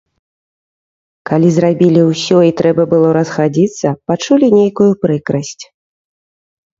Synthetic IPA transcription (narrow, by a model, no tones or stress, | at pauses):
kalʲizɾabʲilʲiwsʲɔit̪ɾɛbɐbɨlˠɔɾɐsxad͡zʲit̪sːɐpat͡ʂulʲinʲejkujupɾɨkɾɐsʲt͡sʲ